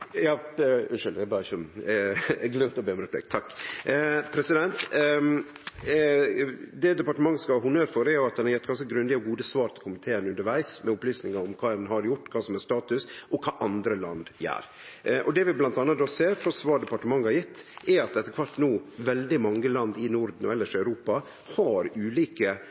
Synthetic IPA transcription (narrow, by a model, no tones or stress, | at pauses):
jɑːʉʂʏld̪æbɑːɾɪç | ɡlœmt̪ɔbeːmɾɛpʰlɛ̰kt̪ʰɑkː | pʰɾɛsɪd̪ɛnt̪ | d̪ɛd̪ɛpɑʈəmɑŋːəskɑɦʊnøːɾfɔɾɛɾjʊɑt̪d̪ɛnhɑɾjɛt̪ːɡɑnskəɡɾʉnd̪ɪɔɡuːd̪əsʋɑːɾt̪ɪlkʰʊmɪt̪ʰeːənʉnd̪əɾʋæɪsmɛɔplyːsnɪŋɑɾɔmkʰɑːɛnɦɑɾjʊʈːkʰɑːsɔmɛst̪ɑːt̪ʉsʔɔkʰɑːʔɑnd̪ɾəlɑ̰nd̪jæ̰ːɾ | ʔʔɔd̪ɛʋɪblɑnt̪ɑnːət̪̚d̪oːseːɾfɾɔsʋɑːɖɛpɑʈəmɑŋːhɑɾjɪt̪ːɛɑt̪̚d̪ɛt̪ːəkʰʋɑɾt̪ːnuːʋɛld̪ɪmɑŋːəlɑnd̪ɪnʊɾd̪n̩ɔ̰ɛlːəʂœʉɾuːpɑ | hɑɾʉːliːkə